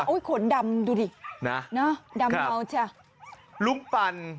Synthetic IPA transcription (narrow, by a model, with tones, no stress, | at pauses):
ʔo˧˦˩kʰo˨˩˦nda˧mduː˧diː˧˩na˦˥na˦˥da˧a˧wt͡ɕʰa˧˩ | lu˦˥k̚pa˧n